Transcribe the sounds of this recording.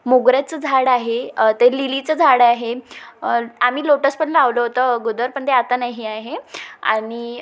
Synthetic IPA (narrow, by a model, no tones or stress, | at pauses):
muɡɾjat͡səd͡zʱaɽaɦet̪elilit͡səd͡zʱaɽaɦe | am̤iːloʈəspəɳlaʋləɦot̪əɡod̪əɾpəɳt̪eat̪anaɦiaɦea̰ɽ̃i